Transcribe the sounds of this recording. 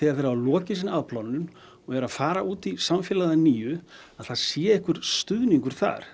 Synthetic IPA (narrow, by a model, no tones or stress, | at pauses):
ɛɣaɾfɛɾalɔːcɪs̬ɪnaðplawnːʏn | ɔɣɛɾaðfaːɾauːt̪isamfjɛːlaðaniːʏ | aðθaðsjɛːehkvʏɾ̥st̪ʏðniŋkʏɾ̥θa̰ɾ̥